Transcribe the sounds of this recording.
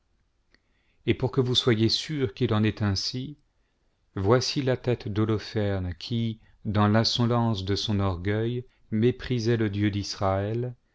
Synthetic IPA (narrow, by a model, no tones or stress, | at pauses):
epuʁkəvuswajesyʁkʲilɑ̃nɛt̪ɛ̃si | vwasilat̪ɛt̪d̪olɔfɛʁnkʲʰi | d̪ɑ̃lɛ̃sɔlɑ̃sd̪əsɔ̃nɔʁɡœj | mepχizɛləd̪jød̪isχaɛl